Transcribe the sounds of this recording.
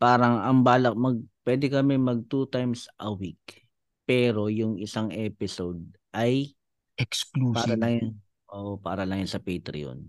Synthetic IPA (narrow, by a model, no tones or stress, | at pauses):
paːɾɐŋɐŋbaːlɐk̚mɐɡ̚pwɛd̪ɛkɐmɛmɐɡ̚t̪uːt̪ajmsʔɐwik̚ | pɛːɾo̞jʊŋɪsaŋʔɛːpɪsod̪̚ | ʔɐj | ʔɛksklupaːɐlɐŋn | ʔoʔopa̰ːɾɐlɐŋjansɐpejt̪ɾɪ̰o̰n